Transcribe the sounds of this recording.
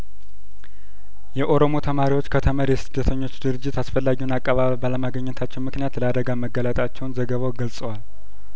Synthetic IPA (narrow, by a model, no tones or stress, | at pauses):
jɛʔo̞ɾo̞mo̞t̪ʰəmaɾiwo̞t͡ʃːkʰət̪ʰəməɾjɛsɨd̪ːət̪ʰəɲːo̞t͡ʃːd̪ɨɾɨd͡ʒːɪt̪asfəlːaɡiwunakʼːaβaβbaləmaɡəɲːɪnət̪ʰat͡ʃːɛwmɨknijat̪ləad̪əɡaməɡːələt̪ʼat͡ʃːɛwnzəɡəβawɡəlsʼəwal